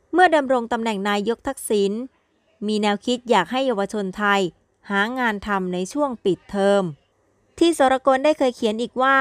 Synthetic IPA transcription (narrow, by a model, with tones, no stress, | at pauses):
mɯ˥˩ɐda˧mɾo˧ŋt̪a˧mnɛ˨˩ŋnaː˧jːo˦˥k̚t̪ʰa˦˥k̚siː˩˦n | miː˧nɛː˧wkʰi˦˥t̪̚jaː˨˩k̚ɦa˥˩jːa˧wa˧t͡ɕʰo˧nt̪ʰa˧j | haː˩˦ŋaː˧nt̪ʰa˧mna˧jt͡ɕʰu˥˩əŋpi˨˩t̪ʰːɤː˧m | t̪ʰiː˥˩sɔː˩˦ɾa˧koː˧ndaː˥˩jkʰɤː˧jkʰi˩˦ənʔiː˨˩k̚waː˥˩